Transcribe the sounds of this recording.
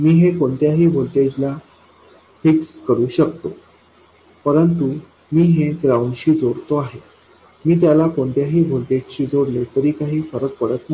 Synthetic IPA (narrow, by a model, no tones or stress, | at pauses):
miːɦekoɳt̪jaɦiːbʱolʈ̪ed͡ʑla | fikskəɾuːɕəkt̪o | pəɾənt̪u | miːɦekɾaunɕiːd͡zoɽt̪oaɦe | miːt̪jalakoɳt̪jaɦiːbʱolʈed͡ʑɕiːd͡zoɽlet̪əɾiːkaɦiːfəɾək̚pəɽət̪m